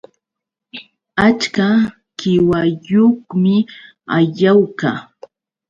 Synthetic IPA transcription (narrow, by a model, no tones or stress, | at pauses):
at͡ʃka | kɪwajoχmɪ | aʎawkaː